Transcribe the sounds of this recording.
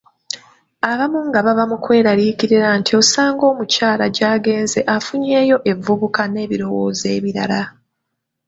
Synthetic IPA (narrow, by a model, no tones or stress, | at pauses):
aβamuŋɡaβaβamukwe̞ːɾaɾiciɾiɾantʰio̞saːŋɡo̞ːmucaːlaɟaːɡe̞ːnze̞ʔafuɲe̞ːjo̞ʔe̞vːuβukane̞ːβiɾo̞wo̰ːze̞ːβiɾa̰la